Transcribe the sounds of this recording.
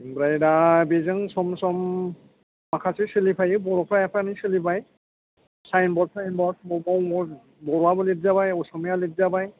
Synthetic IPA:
mbɾajdabezɯŋsɔmsɔmː | akʰasisɯlipʰajɯbɔɾɔpʰɾajapʰanisɯlibaj | sajnbɔɾsajnbɔbɔbɔwɔ | bɔɾabɔlidzabajɔsɔmijalidzabaj

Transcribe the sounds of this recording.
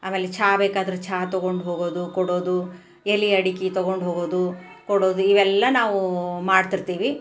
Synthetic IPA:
aːmeːlet͡ʃʰaːbeːkaːd̪ɐɾut͡ʃʰaːt̪ɔɡo̞ɳɖɦo̞ːɡo̞ːd̪ukɔɽo̞ːd̪u | eliɐɽikit̪ɔɡo̞ɳɖɦoːɡo̞ːd̪u | kɔɽo̞ːd̪uiʋɛlːɐnaːʋumaːɖt̪iɾt̪iːʋi

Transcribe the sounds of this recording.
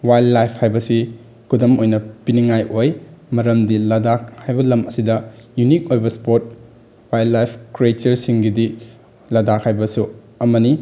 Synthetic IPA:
wajlːajpʰhajbɐsi | kʰudɐmojnɐpiniŋajʔojmɐɾɐmdilɐdak̚hajbɐlɐmɐsidɐjunik̚ojbɐspoɾt̚ | wajlːajpʰkɾietɐɾsiŋɡidi | lɐdakhajbɐsu | ɐmɐni

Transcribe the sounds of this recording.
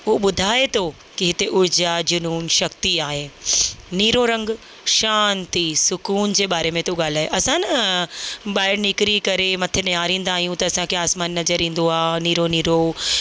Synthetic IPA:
ʊɦoɓʊd̪ʱaːet̪ʰo | kiɦɪt̪eʔʊɾɪd͡ʑad͡ʑʊnuːnʃɐkt̪iaːɦeːniːɾoɾɐ̃ŋɡ | ʃaːnt̪isʊkuːnd͡ʑeːɓaːɾemẽt̪oɠaːl̤aːɦeʔɐsãnɐ | ɓaːɪɾnɪkɾikɐɾemɐt̪ʰenijaːɾĩːnd̪aːɦijũt̪ɐːsãkʰeaːsmaːnːɐzəɾĩːn̆d̪oaːniːɾoniːɾo

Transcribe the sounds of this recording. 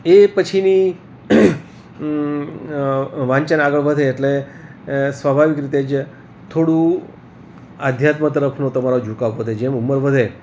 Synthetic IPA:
epət͡ʃʰini | ʋãɲt͡ʃənaɡəɭʋəd̪ʱeːʈle | sʋəbʱaʋikɾit̪̬ed͡ʒ | t̪ʰoɽũ | ad̪ʱjat̪mət̪̬əɾəpʰnot̪əmaɾod͡ʒʱukaʋɦod̪ʱed͡ʒemuməɾʋəd̪ʱe

